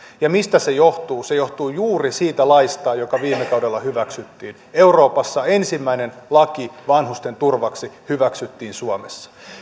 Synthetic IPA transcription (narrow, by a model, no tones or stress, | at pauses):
jɑmist̪æse̞joht̪uːse̞joht̪uːjuːrisiːt̪ælɑist̪ɑːjokɑʋiːmːekɑudelːɑhyʋæksyt̪ːiːn | e̞uro̞ːpɑsːɑe̞nsimːæinenlɑkiʋɑnɦust̪e̞nt̪urʋɑksihyʋæksyt̪ːiːnsuɑmesːɑ̥